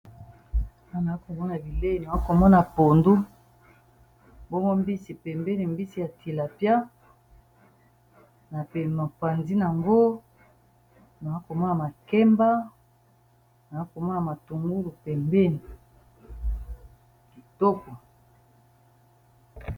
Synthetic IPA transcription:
a˦˨na˨a˦ko˨mɔ˦na˨bi˨le˦i˨na˨a˦ko˨mɔ˦na˨po˨ndu˦ | bo˦mɔ˦mbi˦si˨pɛ˨mbe˦ni˨mbi˦si˨ja˨tʰi˨la˨pja˦ | na˨pe˨ma˨pa˨nzi˦na˨ŋɡo˦ | na˨a˦ko˨mɔ˦na˨ma˨kɛ˦mba˦ | na˨a˦ko˨mɔ˦na˨ma˨tu˨ŋɡu˦lu˨pɛ˨mbe˦ni˨ | ki˨to˦ko˨

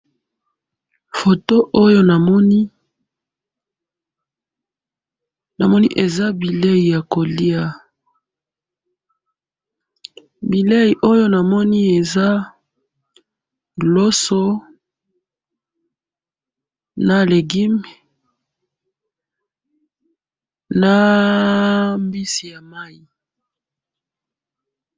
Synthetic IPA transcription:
fo˨to˦ʔo˦jo˦na˨mɔ˦ni˦ | na˨mɔ˦nḭ˦ʔe˨za˦bi˨le˦ji˨ja˨ko˨li˦a˨ | bi˨le˦ji˨ʔo˦jo˦na˨mɔ˦ni˦e˨za˦ | ɡlo˦so˦ | na˨le˨ɡi˦m˨ | na˦ | mbi˦si˨ja˨ma˦i˦

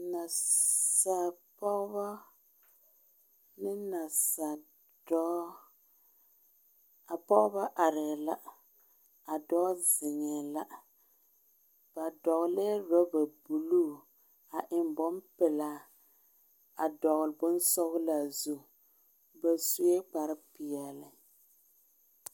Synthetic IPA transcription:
na˨sa˨pɔ˦ba˦ | nɪ˦na˨sa˨ | dɔ˦ | a˨pɔ˦ba˦ʔa˨ɾɪ˨la˦ | a˨dɔː˦zɪ˨ɲɛ˨la˦ | b̥a˨dɔ˨ɣlɛ˦ɾɔ˦ba˨bu˨lu˦ | a˨ʔɪ˨mbɔ˦mpɛ˨la˦ | a˨dɔ˨ɣlbʊ˦n˦sɔ˦ɣla˨zu˦ | ba˨su˦jɛ˦k͡pa˨ɾɪ˦pi˨ɛ˨lɪ˨

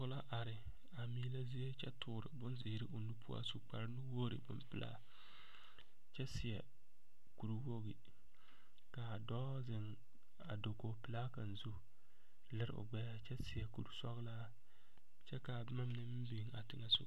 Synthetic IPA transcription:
kʊ˦la˦ʔa˨ɾɪ˨ | a˨miː˦la˦zi˦je˦t͡ʃɛ˦tʰʊː˦ɾɪ̰˨bʊ˦nzɪ˨˦ɾɪ˦ʔo˨nu˦pu˦a̰˦su˦k͡pa̰˨ɾnu˦woː˦ɾɨ̰˨bʊ˦mpɨ˨la̰˦ | t͡ʃɛ˦sɪ˨jɛ˨ | ku˨ɾu˦wo˦ɣi˨ | ka˨dɔː˦zɪ˨ŋ | a˨do˨ko˨pɨ˨laː˦ka˨n̩˨zu˦ | lɪ˦ɾ̰ʊ̰˨ɡ͡bɛ˦ja˦t͡ʃɛ˦sɪ˨jɛ˨kṵ˨ɾu˨sɔ˦ɣlaː˦ | t͡ʃɛ˦ka˨˦ma˦m˦nɨ˦m̩˦bi˨ŋa˨tɪ˦ŋa˦sṵ˦

